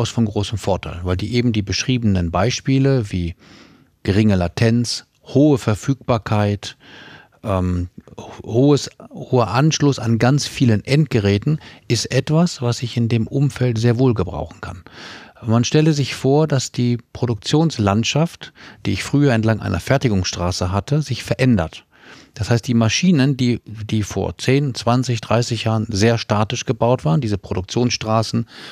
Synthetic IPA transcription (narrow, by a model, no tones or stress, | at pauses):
ʊsfɔnɡʁoːsəmfɔɐtʰaɪlvaɪldiːʔeːbm̩diːbəʃʁ̥iːbənənbaɪʃpiːləviː | ɡ̥əʁɪŋəlatʰɛnt͡s | hoːəfɛɐfyːk̚b̥aːɐkʰaɪt | ʔɛːm | hoːəshoːɐʔanʃlʊsanɡant͡sfiːlənʔɛntɡ̥əʁɛːtn̩ʔɪstʔɛtv̥asv̥asɪçɪndeːmʔʊmfɛltz̥eːɐvoːlɡəbʁa̰ʊxn̩kʰa̰nmanʃtɛləzɪçfoːɐdasd̥iːpʁ̥oɾʊk̚t͡sjoːnslantʃaftd̥iːɪçfʁ̥yːɐɛntlaŋʔa̰ɪnɐ̰fɛɐtɪɡʊŋsʃtʁ̥aːsəɦatʰəzɪçfɛɐʔɛndɐ̰t | d̥ashaɪst̚d̥iːmaʃiːnəndiːd̥iːfo̰ːɐt͡seːnt͡sv̥ant͡sɪçd̥ʁaɪsɪçjaːʁənzeːɐʃtaːtɪʃɡ̥əbaʊtv̥aːʁəndiːzəpʁ̥oɾdʊk̚t͡sjoːnsʃtʁ̥aːsn̩